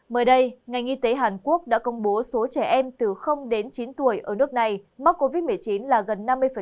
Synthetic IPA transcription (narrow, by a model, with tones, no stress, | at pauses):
məː˨˦jɗə˧jŋa˨˩jŋ̟ʔi˧t̪e˨˦ɦaː˨˩nku˦˥ək̚ɗa̰ː˧˥kə˧wŋ͡mɓo˨˦so˨˦t͡ɕɛ˧˩ʔɛ˧mt̪ɨ˨˩xə˧wŋ͡mɗe˨˦nt͡ɕi˨˦nt̪u˧˩əjʔəː˧˩nɨ˦˥ək̚na˨˩jma˦˥t̚kːo˧vi˦˥t̚mɨ˨˩əjt͡ɕi˨˦nlaː˨˩ɣə˨˩nːa˧mː˧əjfə˩